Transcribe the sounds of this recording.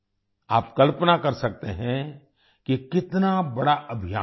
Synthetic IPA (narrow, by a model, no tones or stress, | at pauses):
aːpkɐlpənakɐɾsɐk̚t̪eɦɛ̃ | kikɪt̪nabɐɽaʔɐbʱijaː